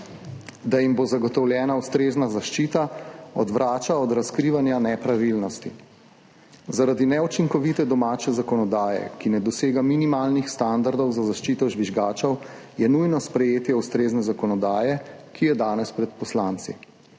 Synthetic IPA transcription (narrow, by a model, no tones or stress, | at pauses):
d̪ajimbozaɡɔt̪ɔwljɛːnaust̪ɾeːznazaʃt͡ʃiːt̪aɔd̪ʋɾʔaːt͡ʃaɔd̪ɾaskɾiʋanjanɛpɾaʋilnɔst̪i | zaɾad̪inɛut͡ʃiŋkɔʋit̪ɛd̪ɔmaːt͡ʃɛzakɔnɔd̪aːjɛ̰kinɛd̪ɔseːɡaminimaːlnixst̪and̪aɾd̪ɔwzazaʃt͡ʃit̪ɔʒʋiʒɡaːt͡ʃɔw | jɛnujnɔspɾɛjeːt̪jɛust̪ɾeːznɛzakɔnɔd̪aːjɛkijɛd̪aːnɛspɾɛt̪̚pɔslant̪sḭ